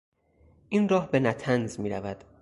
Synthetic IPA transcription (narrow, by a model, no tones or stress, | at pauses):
ʔinrɒːhbe̞næt̪ʰænzmiːɾævæd̪̥